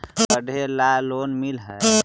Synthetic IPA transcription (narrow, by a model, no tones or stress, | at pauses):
bəɖʱelalonmilɦə